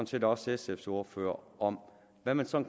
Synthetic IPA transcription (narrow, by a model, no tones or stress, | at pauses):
nt͡sʰe̝ːdɒsesefso̝ːɐfø̰ːɐɒm | ʋæmænsɒ̽nk